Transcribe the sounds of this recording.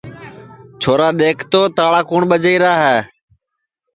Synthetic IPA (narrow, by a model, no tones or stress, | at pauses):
t͡ʃʰoːɾaːɗ̪eːkʰt̪oːt̪aːɭaːkuːɳɓəd͡ʒəiːɾaːɦɛː